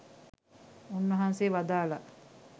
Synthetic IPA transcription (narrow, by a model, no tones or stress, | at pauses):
unʋɐɦanseːʋad̪aːla